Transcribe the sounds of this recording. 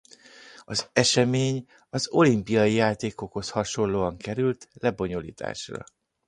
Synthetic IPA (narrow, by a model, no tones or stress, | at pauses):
ɒzɛʃɛmeːɲ | ɒzo̞limpijɒjijaːt̪eːko̞kho̞shɒʃo̞nlloːɒŋkɛɾylt̪lɛbo̞ɲolḭːt̪ʰa̰ːʃrɒ̰